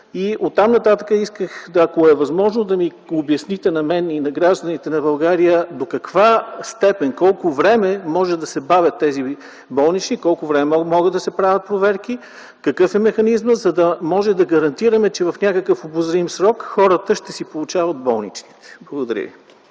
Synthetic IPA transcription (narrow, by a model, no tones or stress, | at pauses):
iʔot̪ːamnɐt̪at̪əkəiskəxd̪ɐkoɛvɐzmɔʒnod̪ɐmi | objɐsnit̪ɛnɐmɛninɐɡɾaʒd̪ɐnit̪ɛnɐbɐlˠɡaɾijəd̪okɐkvast̪ɛpɛnkɔlˠkʊvɾɛmɛmɔʒɛd̪ɐsɛbavʲjət̪ːɛzi | bɔlˠnit͡ʃnikɔlˠkʊvɾɛmɛmɔɡəd̪d̪ɐsɛpɾavʲɐt̪̚pɾovɛɾki | kɐkɤfɛmɛxɐnizməzɐd̪ɐmɔʒɛd̪ɐɡɐɾɐnt̪iɾɐmɛt͡ʃɛvɐfnʲakəkəfobʊzɾimsɾɔkxɔɾət̪əʃt̪ɛsipolˠut͡ʃavət̪̚bɔlˠnḭt͡ʃni̥t̪ɛ̥blˠɐɡʊd̪ɐɾʲjḭvi